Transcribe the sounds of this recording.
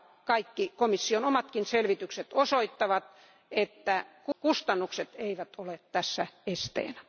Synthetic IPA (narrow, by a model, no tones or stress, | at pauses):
kɑikːikomisːionomɑt̪kinselʋit̪ykset̪osoit̪ːɑʋɑt̪ | et̪ːækkust̪ɑnːukset̪eiʋæt̪olet̪t̪æsːæest̪ḛːnæ